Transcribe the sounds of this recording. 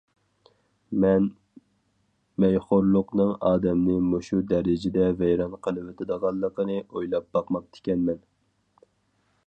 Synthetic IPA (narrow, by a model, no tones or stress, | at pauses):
mɛn | mɛjχoɾlˠʊqnɨŋɑːd̪ɛmnɨmoʃud̪ɛɾɪd͡ʒɪd̪ɛvɛjɾɑnqʰəlˠɨvɪt̪ʰɪd̪əʁɑlˠːəqənɨʔojlˠɑp̚bɑqmɑq̚t̪ʰɪ̥kʲɛnmɛn